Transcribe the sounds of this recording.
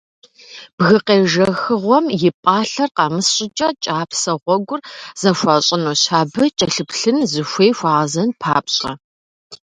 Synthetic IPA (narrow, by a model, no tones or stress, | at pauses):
b̥ɣɨqeːʒɐxɨʁʷɔmjɪpʼɑːɬɐrqɑːmɨsɕʼɪt͡ʃʼɐt͡ʃʼaːpʰsɐʁʷɔɡʷʊrz̥ɐxʷɑːɕʼɪnuːɕaːbɨt͡ʃʼɐɬɨpʰɬɨnzɨxʷeːjxʷɑːʁɐzɐnpʰa̰ːpʼɕʼɐ